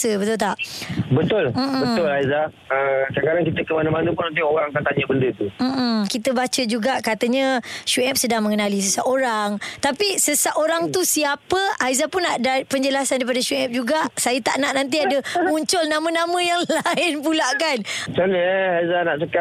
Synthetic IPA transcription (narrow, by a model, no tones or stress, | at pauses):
səbət̪ʊlt̪aʔbət̪ʊl̩bət̪ʊlaiza | əkakaɾaŋkit̪əkəmanamanə̃p̬ʊnant̪̬ioɾaŋakat̪aɲəbəndət̪um̩ʔm̩kit̪əbat͡ʃəd͡ʒuɡaʔkat̪əɲə̃ʃuɛp̚sədaŋmə̃ŋənalis̬əsaʔoɾaŋt̪apisəsaʔoɾaŋt̪usiapəajzapʊnːaʔdapəɲd͡ʒəlasandaip̬adaʃuɛp̚d͡ʒuɡaʔsajət̪aʔnaʔnãnt̪̬iadəmuɲt͡ʃʊlnãmə̃nãmə̃jaŋlaɪnpulaʔkant͡ʃanəaizanaʔsəka